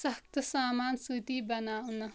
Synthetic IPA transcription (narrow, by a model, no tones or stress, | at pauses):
sʌk̚t̪ʰsaːmaːnsut̪ibʌnawnʌ